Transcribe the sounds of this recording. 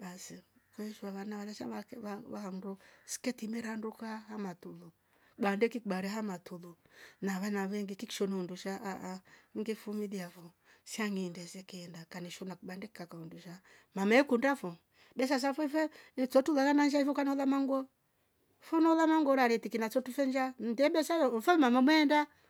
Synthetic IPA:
basikwɛʃaβanaβalaʃa̰aaβahandɔsi̥kɛtimɛɾandukahamatulu | ɓandɛkiɓaɾɛɦamatulunaβanaβɛŋɡikiki̥ʃɔnɔunduʃaʔaʔaŋɡifumiðiafɔ | siaŋindɛsɛkiɛndakaniʃɔnakɓandɛki̥kakaunduʃa | mamɛɛkundafɔ | bɛs̬as̬afɛfɛnt͡ʃɔtulalanand͡ʒaifɔkanɔlamaŋɡɔ | fɔnɔlamaŋɡɔɾaɾɛtikinat͡ʃɔtufɛnd͡ʒan̩dɛɓɛsafɛmamamwɛːnda

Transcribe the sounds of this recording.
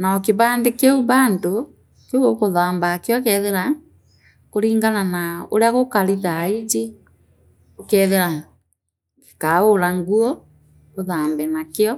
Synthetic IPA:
naɔkeβaːndekeuβaːndo | koɣokoðaːmbakjɔkɛðeɾa | koɾiːŋɡananao̰ɾeaɣokaɾiðaid͡ʒe | okɛðeɾa | ke̥kaoɾaŋɡuɔ | koðaːmbɛnakeɔ

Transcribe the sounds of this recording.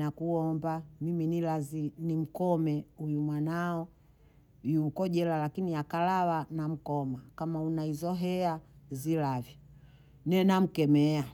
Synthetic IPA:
nakuɔmbamiminilazinim̩kɔmɛujumwanaɔ | juːkɔʄɛlalakinijakalawanam̩kɔmakamaunaizɔɦɛazilavja | nɛnam̩kɛmɛa

